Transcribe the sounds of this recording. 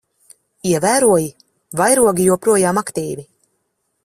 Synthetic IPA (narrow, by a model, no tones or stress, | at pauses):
iɛvæːɾuɔji | vajɾuɔɡijuɔpɾuɔjaːmakt̪iːvi